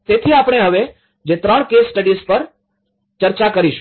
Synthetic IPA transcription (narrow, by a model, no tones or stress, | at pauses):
t̪et̪ʰiapɽ̃eɦəʋe | d͡ʒet̪ɾəɳkesːʈəɖispəɾ | t͡ʃəɾt͡ʃakəɾiʃ